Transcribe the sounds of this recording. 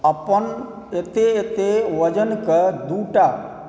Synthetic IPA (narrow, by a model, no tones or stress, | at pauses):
ɐpən | et̪eet̪eʋəd͡ʒənkəd̪uːʈa